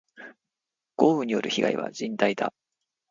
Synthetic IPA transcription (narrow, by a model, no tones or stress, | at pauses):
ɡ̥o̞ːbɯ̟ɲ̟ijo̞̰ɾɯ̟çiɡa̰ḭβa̰d͡ʑĩnt̪aid̪a